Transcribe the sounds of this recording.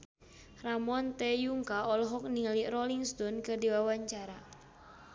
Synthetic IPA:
ramɔnt̪ɛjuŋkaɔlɔɦɔk̚nilirɔliŋst̪ɔnkɨrdiwawaɲt͡ʃaɾa

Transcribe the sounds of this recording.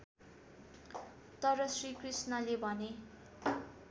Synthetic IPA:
t̪ʌɾʌsrikrisnʌlebʱʌne

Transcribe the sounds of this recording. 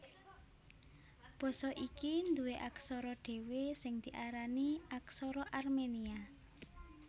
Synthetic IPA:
b̥ɔ̤sɔʔikind̪uweʔaksɔɾɔɖ̪̥e̤wesɪŋd̪̥i̤ʔaɾaniaksɔɾɔʔarmenia

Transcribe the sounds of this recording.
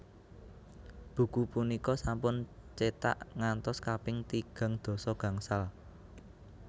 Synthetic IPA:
b̥ṳkupunikɔsampʊnt͡ʃet̪a̰ʔŋant̪ɔskapɪŋt̪iɡ̥a̤ŋd̪̥o̤sɔɡ̥ä̤ŋsal

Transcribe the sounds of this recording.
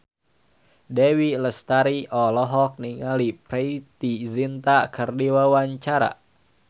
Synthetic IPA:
dɛwiləst̪aɾiʔɔlɔɦɔk̚niŋalipɾeit̪izint̪akərdiwawaɲt͡ʃaɾa̰

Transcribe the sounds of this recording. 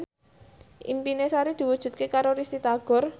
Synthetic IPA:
ʔḭmpinesaɾid̪̥i̤wud̥ʒ̥ṳt̪̚kekaɾoɾisit̪aɡ̥ɔ̤r

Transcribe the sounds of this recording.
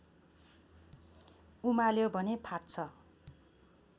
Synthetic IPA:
umaljobʱʌnepʰart͡sʰʌ

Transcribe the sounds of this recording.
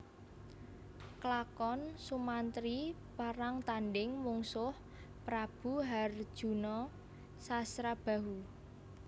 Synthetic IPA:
klakɔnsumant̪ɾi | paɾaŋt̪anɖɪŋmuŋsʊh | pɾab̥ṳɦard̥ʒ̥ṳnɔ | sasɾab̥a̤ɦu

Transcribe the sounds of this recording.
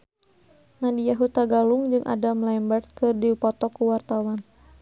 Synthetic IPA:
nadijaɦut̪aɡaluŋd͡ʒɨŋʔa̰damlambɛrt̪̚kɨrdipɔt̪ɔkuwart̪awan

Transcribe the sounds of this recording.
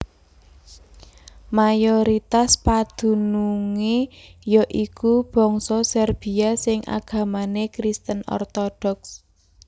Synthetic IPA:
majɔɾit̪aspad̪̥ṳnuŋejɔʔikub̥ɔ̤ŋsɔsɛrb̥i̤asɪŋʔa̰ɡ̥a̤manekɾist̪ənɔ̰rt̪ɔɖ̥ɔks

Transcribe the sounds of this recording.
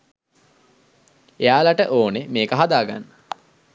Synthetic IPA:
ejaːlaʈəʔoːnemeːkəɦad̪aːɡa̰nːə

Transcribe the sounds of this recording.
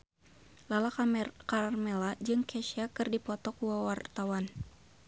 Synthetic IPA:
lalakamɛkarmɛlad͡ʒɨŋkʰɛʃiakɨrdipɔt̪ɔkuwawart̪awan

